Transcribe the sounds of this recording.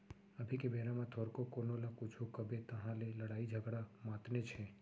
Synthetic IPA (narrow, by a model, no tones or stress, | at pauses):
əbʱikebʱeɾamãt̪ʰɔɾkokonolãkut͡ʃʰukəbet̪əɦãleləɽaid͡ʒʱəɡɽamãt̪net͡ʃʰe